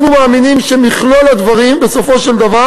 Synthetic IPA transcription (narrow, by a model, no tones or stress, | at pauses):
numaːminimʃemiχlo̞lad̪vaʁimbe̞so̞fo̞ʃeld̪ava